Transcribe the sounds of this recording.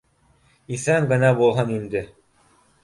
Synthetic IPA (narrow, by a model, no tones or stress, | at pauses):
iθæŋɡɤ̆nɑbulˠɦɑnind̪ɘ